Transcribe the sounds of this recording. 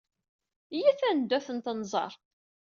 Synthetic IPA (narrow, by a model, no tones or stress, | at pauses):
jiθænd̪ːæθənt̪ənzˤɑ̰ɾˤ